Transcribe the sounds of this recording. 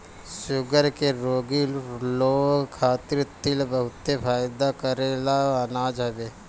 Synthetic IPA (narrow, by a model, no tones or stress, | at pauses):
ʃʊɡəɾkeɾoːɡiloːkʰaːt̪ɪɾt̪ɪlbəɦʊt̪ːefʰaːjd̪akəɾelaɐnaːd͡ʒɦɐbeː